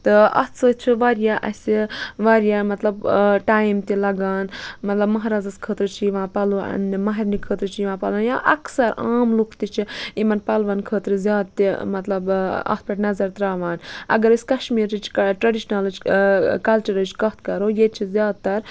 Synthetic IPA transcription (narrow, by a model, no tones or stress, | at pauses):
t̪ɨɐ̰t̪t͡sʰɨt͡ʃʰiʋaːɾjaːʔɐ̰sʲiʋaːɾjaːmɐt̪lɐbʈaːjimt̪ilɐɡaːnmɐt̪lɐbmɐɦːɾaːzɐskʰəːt̪ɾɨt͡ʃʰiʋãːpɐluʔɐ̰nmɐɦɐɾnikʰəːt̪ɾɨt͡ʃʰiʋãːpɐlãnjaʔɐksɐɾaːmlukʰt̪it͡ʃʰiimɐnpɐlʋaːnkʰəːt̪ɾɨzʲjaːd̪̚t̪imɐt̪lɐbɐ̰t̪̚ʰpʲɐʈʲnɐzɐɾt̪ɾaːʋaːnɐ̰ɡɐɾɨsʲkɐʃmiːɾit͡ʃʰʈɾɐɖiʃnalɐt͡ʃkɐlt͡ʃɐɾɐt͡ʃʰkɐɦt̪̚kɐɾoːjet͡ʃʰizʲjaːd̪̚t̪ɐɾ